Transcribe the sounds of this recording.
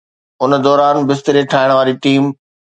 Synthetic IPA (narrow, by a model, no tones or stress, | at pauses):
ʊnə̆d̪ɔːɾaːnbɪst̪ɪɾeʈʰaːɪɽ̃ʋaːɾiʈiːm